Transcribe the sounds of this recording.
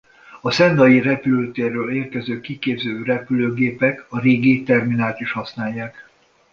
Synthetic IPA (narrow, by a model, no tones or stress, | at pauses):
ɒsɛnd̪ɒjirɛpyløːt̪eːrːøːleːrkɛzøːkikeːbzøːrɛpyløːɡeːpɛkɒɾeːɡit̪ɛrminaːlt̪iʃhɒsn̪aːjːaːk